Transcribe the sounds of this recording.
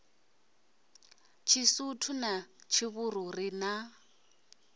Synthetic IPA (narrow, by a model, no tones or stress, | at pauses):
t͡ʃʰisutʰʊnat͡ʃʰɪβʊrʊrɪna